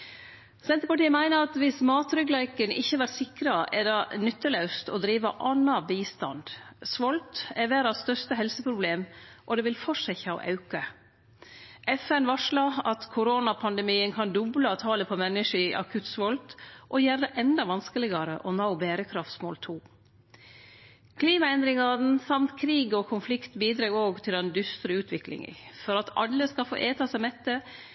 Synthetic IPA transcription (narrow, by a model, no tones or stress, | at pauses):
sɛnt̪əɾəpɑʈiːəmæɪnəɾɑt̪ʋɪsmɑːt̪ɾʏɡlæɪkənɪçːəʋæɾsɪkɾɑʔɛɖɑnʏt̪ːəlɑʉst̪ɔd̪ɾiːʋɑʔɑnːɑbiːst̪ɑnd̪̥sʋɔlt̪ɛʋæːɾɑst̪œʂt̪əɦɛlsəpʰɾʊbleːmʔɔd̪ɛːʋɪlfɔʂɛçhɑːɔ̰ʔɑʉkə | ʔɛfɛnʋɑʂɭɑɑt̪kʰʊɾoːnɑpʰɑnd̪ɛmiːənkʰɑnd̪ʊbləɑt̪ʰɑːləpʰɔmɛnːəʂəɪʔɑ̰kʰʉt̪sʋɔlt̪ʔɔjæːɾd̪əʔɛnd̪ɑʋɑnskəlɪɡɑɾəʔɔnaʊbeːɾəkʰɾɑft̪smo̰ːlt̪ʰuː | kʰliːmɑɛnd̪ɾɪŋɑn̩sɑmt̪kʰɾiːɡɔkʰʊnflɪkt̪biːd̪ɾɑɡoːɡt̪ʰɪld̪ɛnd̪ʏst̪ɾəʉːt̪ʰʋɪklɪ̰ŋə̰fɔɾɑt̪ɑ̰lːəskɑfo̰ːʔeːt̪ʰɑːsɛmɛt̪ːə